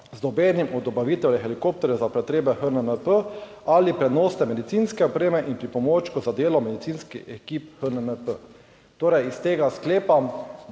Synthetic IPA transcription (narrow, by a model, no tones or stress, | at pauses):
zd̪ɔbjɛːnimɔd̪ɔbaʋit̪ɛwjɛxɛlikop̚t̪ɔɾjɛzapɾɛt̪ɾeːbɛxənənəpə | alipɾɛd̪noːsnɛmɛd̪it̪siːnskɛɔpɾeːmɛʔinpɾipɔmoːt͡ʃkɔzad̪eːlɔmɛd̪it̪siːnskixɛkiːpxənənəpə | t̪oːɾɛjist̪eːɡaskleːpa